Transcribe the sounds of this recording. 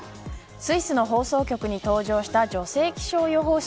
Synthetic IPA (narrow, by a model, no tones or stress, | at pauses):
sɨisɨno̞ɦo̞ːso̞ːkʲo̞kɯ̟ɲ̟it̪o̞ːʑo̞ːɕi̥t̪ad͡ʑo̞se̞ːkʲi̥ɕo̞ːjo̞ɦo̞ː